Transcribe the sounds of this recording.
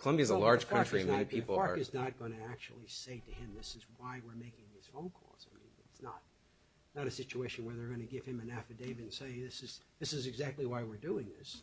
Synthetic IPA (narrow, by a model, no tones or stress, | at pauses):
kʰəlʌ̃mbiɨzəlɑɹʒ̥kʰʌ̃ɹt͡ʃɹ̥ĩĩnpʰipl̩ˠɑɹɨznət̚ɡ̥ʌnɨæk̚t͡ʃṵl̩ˠiseɪɾɨɪ̃mðɪsɨzwaɪwɪɹmeɪkɪ̃ŋɪz̥fõʊ̃nkʰɔ̰z̥aɪmḭ̃nɪtsnə̰t̚ | nəɾɨsɪt͡ʃueɪʃɨ̃n̩wə˞ðə˞ɡʌnɨɡɪv̥ɨ̃mɨ̃næfɨdeɪvɨnseɪðɪsɨz̥ðɪsɨzɨɡzæk̚tˡliwaɪwɪɹduɪ̃ŋðɪs